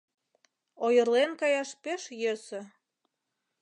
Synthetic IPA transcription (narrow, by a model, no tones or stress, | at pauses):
ojə̆rlenkɑjɑʃpeʃjøsø̆